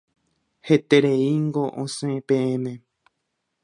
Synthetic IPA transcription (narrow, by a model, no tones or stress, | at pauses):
he̞t̪e̞ɾe̞iŋɡo̞ʔõsẽpẽẽmẽ